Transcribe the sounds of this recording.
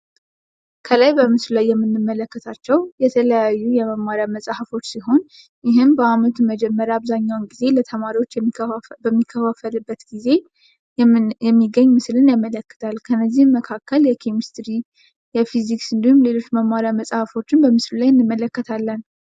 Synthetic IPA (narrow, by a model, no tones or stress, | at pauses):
kʰəlajbəmɨslulajːɛmːɨnːɨmːələkːət̪ʰat͡ʃːɛwjɛt̪ʰələjajːujɛməmːaɾjaməsʼhəfo̞t͡ʃːsiɦo̞n | jɪɦɨmbəamət̪ʰuməd͡ʒɛmːəɾaaβzaɲːawnɡize̞lət̪ʰəmaɾiwo̞t͡ʃːbəmːikʰːəfafəlɨbːət̪ɡize̞ | jɛmːiɡəɲːmɨslɨnjamːələkːə̥t̪ʰalkʰənːəzːihməkʰakːəljɛkʰemist̪ɾi | jɛfiziksɨnd̪ihumle̞lo̞t͡ʃːməmaɾjaməsʼhəfo̞t͡ʃːɪnbəmɨslulajɨnːɨmːələkːət̪ʰalːən